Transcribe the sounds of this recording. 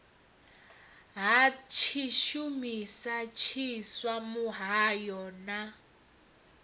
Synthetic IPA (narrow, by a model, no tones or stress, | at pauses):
ɦat͡ʃʰiʃumisat͡ʃʰiswamuɦajɔna